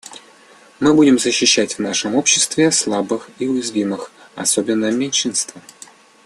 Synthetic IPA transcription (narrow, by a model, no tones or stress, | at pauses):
mɨbudʲɪmzəɕːɪɕːætʲvnaʂəmo̞pɕːɪst̪vʲɪslˠabɨxiʊjɪzvʲimɨx | ɐ̰so̞bʲɪnːəmʲɪnʲʂɨnst̪və